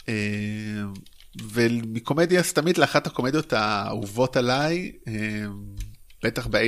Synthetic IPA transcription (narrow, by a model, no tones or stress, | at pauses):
e | vemiko̞me̞d̪jast̪amid̪leaχat̪hako̞med̪jo̞t̪auvo̞talajemb̥et̪aχbee